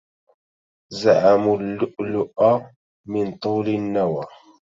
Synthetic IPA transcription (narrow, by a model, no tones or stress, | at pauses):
zaʕamʊlʊlːʊʔa | mɪnt̪ˤuːlanːawaː